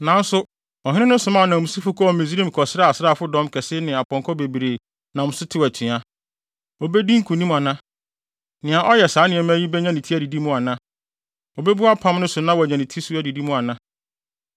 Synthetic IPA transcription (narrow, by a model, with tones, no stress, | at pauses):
nã˨n̩˦sʊ˦ | ɔ˨ɦɪ̃˦nɪ̃˦nʊ̃˦sʊ˨mã˦˨nã˨mũ˨su˦fʊ˦kʰɔ˦ɔ˨mẽ˨zi˦ɾĩ˦m˨kʰɔ˨sɾa˦˨a˨sɪ˦ɾa˦˨fʊ˦dɔ̃˦mkʰɛ˨sɪ˦nɪ̃˨a˨pʰɔ̃˨ŋkʰɔ˦be˨bɾe˨ | nã˨mʊ̃˨˦sʊ˦tʰɪ˦˨æ˨tʰɪ̃˨a˦ | ɔ˨be˦di˦ŋ̩˦kʰũ˨nĩ˦m̃˨a˨nã˦ | nɪ̃˨ã˨ʔɔ˦jɛ˨saː˨˦nɪ̃˨ɛ˨m˦æ˦ji˦bɛ˦ɲã˦nĩ˨tʰi˦æ˨di˨di˦mʊ̃˦˨a˨nã˦ | ɔ˨be˦bu˦a˦pʰã˦mnʊ̃˦sʊ˨nã˦wɔ˨ɲã˨nĩ˨tʰi˦su˦æ˨di˨di˦mʊ̃˦˨a˨nã˦